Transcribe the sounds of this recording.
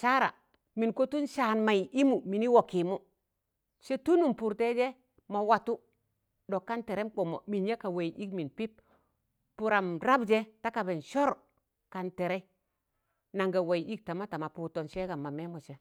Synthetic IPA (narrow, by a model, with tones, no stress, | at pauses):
ʃa˦ɾa̰˨ | mi˨nko˦tu˦nʃaː˨nma˨i˨ʔi˦mu˨mi˨ni˦wo˨ki˨mu˦ | se˦tu˦nu˨mpu˨ɾte˦d͡ʒe˦ | ma˨wa˨tu˦ | do˨kːa˦nte˨ɾe˦mk͡po˨mo̰˨mi˨nja˦ka˨we˨i˨ʔi˦kmi˨npi˦p̚ | pu˨ɾa˨mɾa˦bd͡ʒe˦ta˦ka˨be˨nʃo˦ɾ | ka˨nte˨ɾe˦ | na˨ŋɡa˨we˨ji˨ʔi˦k̚ta˨ma˦ta˨ma˨pu˨to˨nʃe˦ɡa˨ma˨me˦mo˨t͡ʃe˦